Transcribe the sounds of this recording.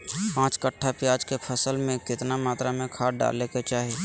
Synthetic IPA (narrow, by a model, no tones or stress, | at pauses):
pãːt͡ʃkəʈʰːapjaːd͡ʒkepʰəsəlmẽkɪt̪namaːt̪ɾamẽkʰaːɖa̰ːleket͡ʃaːɦi